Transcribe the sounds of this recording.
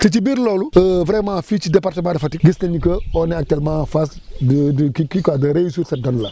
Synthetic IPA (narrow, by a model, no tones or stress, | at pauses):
tit͡ʃibiːɾloːluəfɾeːmãfit͡ʃidepaɾtəmãːdɐfɐtiɡisnɐɲikəonɛak̚tuɛlmãfasddkikikadɐɾejsusɐdɔnlɐ